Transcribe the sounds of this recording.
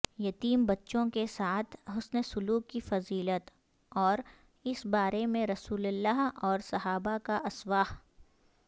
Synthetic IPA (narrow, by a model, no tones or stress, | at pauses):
jɐt̪iːmbɐtːʃõkesaːt̪ʰɦʊsnəsʊluːkːifɐziːlət̪ | ɔːɾ | ɪsbaːɾemẽɾɐsuːləlːaɦɔːɾsɐɦaːbakaʔɐswaːh